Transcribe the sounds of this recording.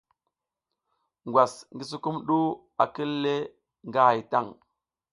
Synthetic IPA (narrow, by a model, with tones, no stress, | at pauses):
ŋɡʷwa˨sŋɡi˦s̬u˦ku˦mɗu˦ | a̰˨ki˦lːe˦ | ŋɡa˦ha˨jta˦˨ŋ